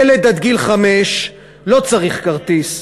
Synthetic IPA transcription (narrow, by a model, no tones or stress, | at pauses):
eled̪ad̪ɡilχameʃ | lo̞t͡saʁiχkaʁt̪is